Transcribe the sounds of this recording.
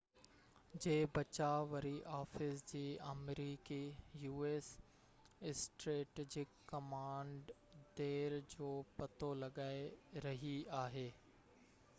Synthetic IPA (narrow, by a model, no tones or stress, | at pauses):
d͡ʑeːbɐt͡ɕaʋɐɾiʔaːfɪsd͡ʑiːɐmɾiːkijuːeːs | ɪsʈɾeːʈeːd͡ʑɪkːɐmãːɳɖ | d̪eːɾd͡ʑoːpɐt̪ʰolɐɠaːeɾɐɦiaːɦeː